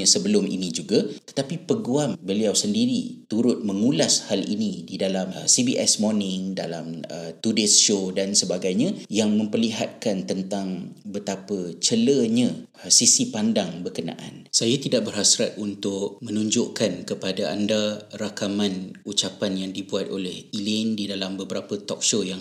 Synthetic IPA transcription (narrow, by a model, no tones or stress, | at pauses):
asəbəlʊmʔḭnĩd͡ʒuɡat̪ə̥t̪apipəɡuambəliawsəndiɾḭt̪uɾʊt̪̚məŋulashalḭnĩdidalamsibiʔɛ̰smɔrnɪŋda̰la̰mət̪udesʃodansəbaɡajɲãjaŋmə̃mpərliɦat̪̚kant̪ənt̪aŋbət̪apət͡ʃələɲã | sisipandaŋbərkənã̰ʔa̰nsajat̪idaʔk̚bərɦasɾat̪̚unt̪ʊk̚mənũɲd͡ʒʊʔkankəpadaʔandarakamãnut͡ʃapanjaŋdibuat̪̚olɛhilɪndidalambəbəɾapət̪ɔk̚ʃojaŋ